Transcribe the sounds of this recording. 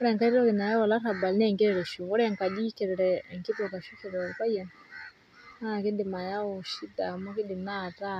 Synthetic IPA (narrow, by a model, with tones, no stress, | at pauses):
ɔɾɛ˨ŋka˦i˦ɾɔ˦ki˨na˨ja˦wa˨la˦ɾa˨ba˨lnɛ˦˨ŋɡɛ˦ɾɛ˨ɾɛ˨ʃu˨ɣɔ˦ɾɛ˦˨ŋka˨ɗi˦kɛ˨ɾɛ˨ɾɛ˨ŋki˦pɔ˨ka˨ʃu˦kɛ˨ɾɛ˨ka˦jɛ˨n | a˦˨ki˦dɪ˨ma˨ja˦ɔ˨ʃi˦da˨mɔ˦ki˦ɗɪ˨na˦˨ta˦